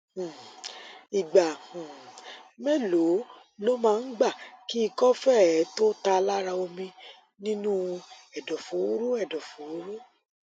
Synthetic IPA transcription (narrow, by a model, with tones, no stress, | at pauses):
i˨ɡ͡ba˨ũ˨mɛ˦lo˨˦ | lo˦mãː˦˧n̩˦ɡ͡ba˦˨ki˦i˦˧kɔ˦fɛ˦˨˦ɛ˨˦to˦ta˧la˦ɾa˧o˧mĩ˧ | nĩ˦nũ˦ɛ˨dɔ˨fo˨˦ɾu˦ɛ˦˨dɔ˨fo˨˦u˦ɾu˦